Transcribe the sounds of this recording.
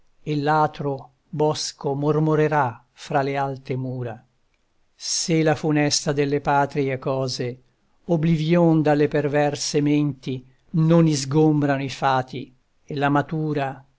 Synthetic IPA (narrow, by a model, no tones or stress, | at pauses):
elːaːt̪ɾo | bɔskomormoɾeɾa | fɾalealt̪emuːɾa̰ | selafunɛst̪ad̪elːepaːt̪ɾiekɔːze | oblivjond̪alːepervɛrsement̪i | nonizɡombɾanoifaːt̪i | elːamat̪uːɾa